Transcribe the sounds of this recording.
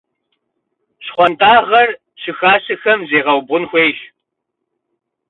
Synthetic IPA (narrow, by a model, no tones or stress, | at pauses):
ɕχʷɔntʰʼaːʁɐr | ɕɪxaːɕɨxɐmzeːʁɐwbʁʊnxʷeːɕ